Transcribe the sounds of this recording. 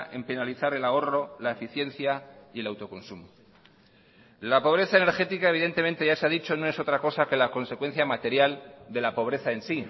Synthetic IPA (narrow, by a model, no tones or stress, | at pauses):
e̞mpe̞naliθaɾe̞lao̞ro̞laefiθje̞nθjaie̞lawt̪o̞ko̞nsumo | lapo̞β̞ɾe̞θaene̞ɾxe̞t̪ikaeβ̞iðe̞nt̪e̞mẽnt̪e̞ʝaseaðit͡ʃo̞noe̞so̞t̪ɾako̞sake̞lako̞nse̞kwe̞n̟θjamat̪e̞ɾjald̪e̞lapo̞β̞ɾe̞θae̞nsi